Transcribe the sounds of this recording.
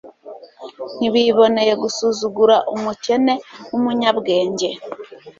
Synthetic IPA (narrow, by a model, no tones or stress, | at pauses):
niβiβo̞ne̞je̞ɡusuzuɡuɾaʔumuce̞ne̞wumuɲabɡe̞ːɲɟe̞